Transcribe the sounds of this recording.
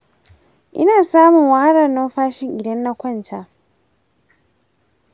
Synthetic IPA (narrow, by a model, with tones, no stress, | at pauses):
ʔɪ̰˦naː˨saː˦mʊ˨ŋwa˦ha˦ɽɐ˨rno˦ɸaː˦ʃɪ˨ŋʔɪ˨dɐ˦nːa˦kʷɐ˦˨ntʰa˦